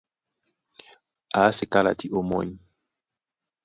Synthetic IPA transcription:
a˨˦se˨ka˦la̰˨ti˦ʔo˦mɔ̰˦ɲi˨

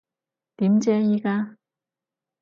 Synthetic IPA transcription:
t̪i˨˥mt͡ɕɛː˥jiː˧˥kaː˥

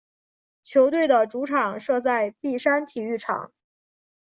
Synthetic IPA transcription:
t͡ɕʰjo˧˥ʊt̪we˥˩ɪd̪ə˩ʈ͡ʂu˧˥ʈ͡ʂʰɑ˨˩˦ŋʂɤ˥˧t͡sa˥˧ɪpi˥˩ʂa˥nt̪ʰi˨˩y˥˩ʈ͡ʂʰɑ̰˨˩˦ŋ

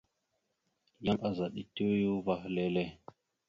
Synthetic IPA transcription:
ja˦ŋʔa˨za˨ɗi˨tu˦ju˦va˦hle˦le˦

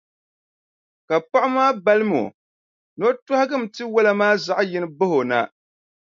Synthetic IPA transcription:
ka˨pa˦ʔʊ˦maː˦ba˦lɨ˦mo̰˨ | no˦ta˦hɪ˦ɡɨ˦˨m̩˨tɨ˦wa˦la˦maː˦za˨ʔjɪ˦nɨ˦bɨ˦ho˨na̰˨

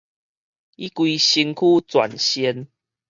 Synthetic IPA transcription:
i˦kwi˧ɕi˧nkʰu˦˨t͡swa̰˨˩nɕi˧n

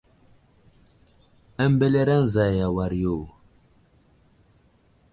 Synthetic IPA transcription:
ə˦m˦be˦le˦ɾa˦n̩˨za˨ja˨wa˨ɾjo˨

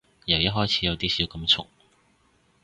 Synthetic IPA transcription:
jɐ˨wjɐ˥t̚ɦɔː˥jt͡sʰiː˨˧jɐ˨˧wt̪iː˥siː˨˥wkɐ˧mt͡sʰʊ̰˨˩ŋ

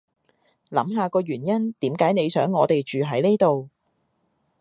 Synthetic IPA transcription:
lɐ̰˨˥mɦaː˨kɔː˧ɥyː˨˩njɐ˥nt̪iː˨˥mkaː˨˥jne˨˧jsœː˨˥ŋːɔː˨˧t̪e˨jt͡ʃyː˨ɦɐ˨˥jneː˥t̪o˨w

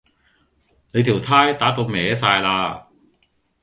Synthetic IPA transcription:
ne˨˧jt̪ʰi˨˩wt̪ʰaː˥jt̪aː˨˥t̪o˧wmɛː˨˧saː˧jlaː˧

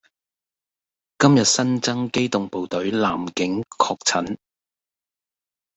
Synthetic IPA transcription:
kɐ˥mjɐ˨t̚sɐ˥nt͡sɐ˥ŋke˥jt̪ʊ˨ŋpo˨wt̪ɵ˨˥ɥlaː˨˩mkɪ˨˥ŋkʰɔː˧k̚t͡sʰɐ˨˥n

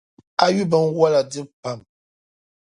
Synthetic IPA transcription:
a˦ɥu˦bə˨˦n˦wwa˦la˨dɨ˦pa˨m

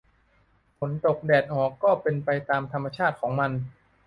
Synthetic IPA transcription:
pʰo˩˦nt̪o˨˩k̚dɛː˨˩t̪̚ʔɔː˨˩kːɔː˥˩pe˧npa˧jt̪aː˧mt̪ʰa˧mːa˧t͡ɕʰaː˥˩t̪̚kʰɔː˩˦ŋma˧n

